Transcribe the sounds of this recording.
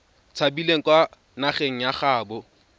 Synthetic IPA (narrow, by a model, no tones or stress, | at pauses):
t͡sʰabileŋ̩kʼwa | naχeŋ̩jaχaːbʊ